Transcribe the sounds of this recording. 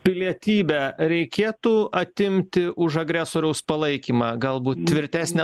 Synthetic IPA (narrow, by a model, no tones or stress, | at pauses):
pʲɪlʲiɛt̪ʲiːbʲɛɾʲɛɪkʲeːt̪uːɐt̪ʲɪmʲt̪ʲɪʔʊʒɐɡɾʲæːsoːɾʲɛʊspɐlˠɐɪkʲiːmɑːɡɐlˠbuːt̪̚t̪ʲʋʲɪɾʲt̪ʲæːsʲnʲɛ